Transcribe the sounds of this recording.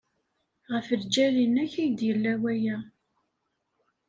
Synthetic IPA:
ʁəfəɾd͡ʒælinæçijd̪jəlːæwæjæ

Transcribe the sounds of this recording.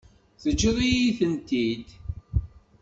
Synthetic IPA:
θəd͡ʒːuðˤijiθənt̪id̪

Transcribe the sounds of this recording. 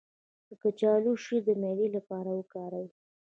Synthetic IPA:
d̪əkat͡ʃɑluʃid̪əmelilapɑɾawəkɑɾawi

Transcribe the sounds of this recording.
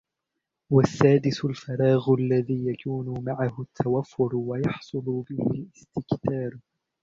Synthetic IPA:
wasːaːd̪ɪsʊlfɑɾˤɑːɣʊʔalːaðiːjakʰuːnʊmaʕahʊt̪ʰːawafːʊɾwajɑħsˤʊlʊbɪhɪlɪst̪ɪkθɑːɾˤ

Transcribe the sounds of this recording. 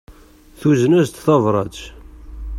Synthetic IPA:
θuznæzt̪θɑvɾˤɑt͡ʃ

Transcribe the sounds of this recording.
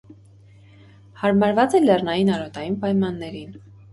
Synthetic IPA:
hɑɾmɑɾvɑt͡sɛlɛrnɑjinɑɾɔt̪ɑjinpɑjmɑnːɛɾin

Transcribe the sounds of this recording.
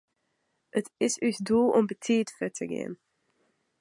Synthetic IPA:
ətɪsysdulˠɔmbətʰiːtfətʰəɡḛən

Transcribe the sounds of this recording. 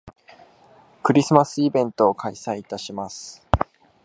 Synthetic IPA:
kɯ̟ɾʲisɨmasɨibẽ̞nt̪o̞ːkʰaisaiːt̪aɕimasɨ̥

